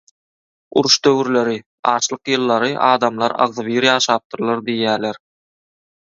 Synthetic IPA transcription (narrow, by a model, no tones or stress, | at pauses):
ṵɾuʃd̪øwyɾleɾi | ɑːʃlˠɯqjɯlˠːɑɾɯʔɑːd̪ɑmlˠɑɾɑ̰ʁðɯβiːɾjɑːʃɑːp̚t̪ɯɾlˠɑɾd̪ijːæːɾleɾ